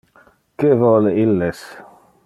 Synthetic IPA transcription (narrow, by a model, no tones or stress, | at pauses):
kevɔleilːes